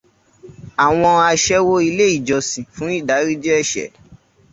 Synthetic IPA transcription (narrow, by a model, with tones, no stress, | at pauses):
a˨w̃ɔ̃˧a˧ʃɛ˦wo˦i˧le˦i˦˨d͡ʒɔ˨sĩ˨fũ˨˦i˦˨da˨˦ɾi˦d͡ʒɛ˦ɛ˦˨ʃɛ̰˨˦